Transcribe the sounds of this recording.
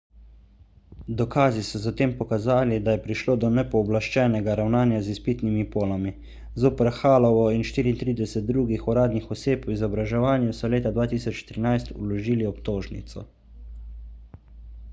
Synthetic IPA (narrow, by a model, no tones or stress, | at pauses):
d̪ɔkaːzisɔzat̪eːmpɔkazaːlid̪ajɛpɾiʃloːd̪ɔnɛpɔːblaʃt͡ʃɛnɛɡaɾawnaːnjazispiːt̪nimipoːlami | zoːpəɾxaːlɔʋɔinʃt̪iːɾint̪ɾiːd̪ɛsɛt̪̚d̪ɾuːɡixɔɾaːd̪nixɔseːpwizɔbɾaʒɛʋaːnjusɔleːt̪ad̪ʋaːt̪iːsɔt͡ʃt̪ɾinajst̪ṵlɔʒiːliɔpt̪oːʒnḭt̪sɔ̰